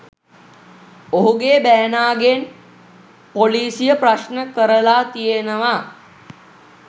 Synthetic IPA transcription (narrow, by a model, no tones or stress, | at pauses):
oɦuɡeːbæːnaːɡen | poliːsijəpraʃnəkəɾəlaːt̪ijenəʋa